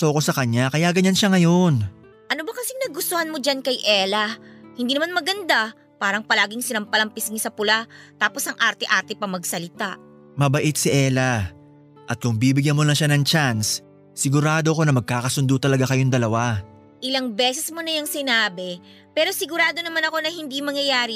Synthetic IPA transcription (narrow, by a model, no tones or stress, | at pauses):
oko̞sɐkɐɲːakɐjaɡɐɲanʃaŋɐjo̞n | ʔɐnobɐkɐsɪŋnɐɡʊst̪ʊhɐnmo̞d͡ʒankɐjʔɛlɐhɪnd̪iːnɐmanmɐɡɐnd̪a | paːɾɐŋpɐlaːɡɪŋsɪnɐmpɐlɐmpɪsŋɪsɐpʊlat̪aːpo̞sɐŋʔaɾt̪ɛʔaɾt̪ɛpɐmɐɡsɐlɪt̪aʔ | mɐbɐʔɪt̪sɪʔɛːlɐ | ʔɐt̪̚kʊŋbiːbɪɡjɐnmolɐʃanɐŋt͡ʃansː | ɪɡʊɾaːd̪oɐko̞nɐmɐɡ̚kaːkɐsʊnd̪ut̪ɐlɐɡakɐjo̞ŋd̪ɐlɐwa | ʔɪlɐŋbɛːsɛsmonɐjɐŋsɪnaːbɛ | pɛːɾo̞sɪɡʊɾaːd̪o̞nɐmanɐko̞nɐhɪnd̪imɐŋjɐjaːɾi